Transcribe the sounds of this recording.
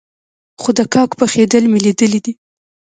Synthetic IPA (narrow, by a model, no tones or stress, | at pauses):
xod̪əkɑkpəxed̪əlmelid̪əlid̪i